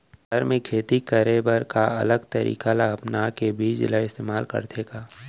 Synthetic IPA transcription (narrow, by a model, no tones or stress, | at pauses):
dəɾmẽkʰeːt̪ikəɾebəɾkaɐ̰ləɡt̪əɾḭːkalaɐpnakebʱiːd͡ʒlaɪst̪eːmaːlkɐ̰ɾt̪ʰeːɡaː